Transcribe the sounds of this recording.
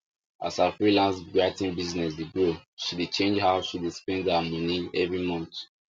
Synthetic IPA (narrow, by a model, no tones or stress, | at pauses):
a̰safɹilãnsɡɹaɪtĩnbiznɛs̬deɡɹoʃidet͡ʃẽnd͡ʒɦaʃidɛkspɛ̃ndamɔ̃niɛvɹimɔ̃nt